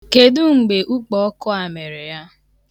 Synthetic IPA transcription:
ke˨du˦ŋ͡m̩˨ɡ͡be˨ʔu˦k͡pɔ˨ɔ˦kʊ˦a˨me˨ɾɪ˨ja˦

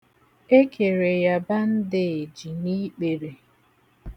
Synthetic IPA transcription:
e˦kʰe˨ɾe˨ja˨ba˦n̩˦dɪ˦e˨d͡ʒi˨ni˦k͡pe˨ɾe˨

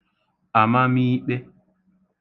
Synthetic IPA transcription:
a˨ma˦mi˦ɓe˦

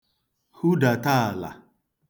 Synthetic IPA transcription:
hu˦da˨ta˦a˨la̰˨

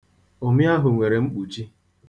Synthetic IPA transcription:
o˨mi˦a˦ɦʊ˨ŋʷe˨ɾe˨ŋ͡m̩˦k͡pu˨t͡ʃi˦

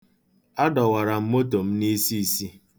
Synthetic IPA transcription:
a˦dɔ˨wa˨ɾa˨m̩˦mo˦t̬o˨m̩˦ni˦si˦i˨si˦

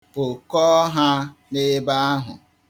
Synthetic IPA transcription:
ʊ˨kɔ˦ɦa˦nɪ˦ba˦a˦ɦʊ̰˨

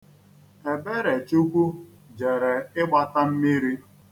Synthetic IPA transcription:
e˨be˦ɾe˨t͡ʃu˦kʷu˦ | d͡ʒe˨ɾe˨ɪ˦ɡ͡ba˦ta˦m̩˦mi˦ɾi˦

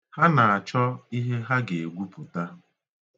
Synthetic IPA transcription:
ha˦na˨a˨t͡ʃɔ˦i˦ɦe˦ɦa˦ɡe˨ɡʷu˦pʊ˨ta˦

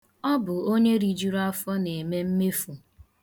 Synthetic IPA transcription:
ɔ˦bʊ˨o˦ɲe˦ɾi˨d͡ʒi˦ɾa˦fɔ˦ne˨me˦m̩˦me˦fu˨

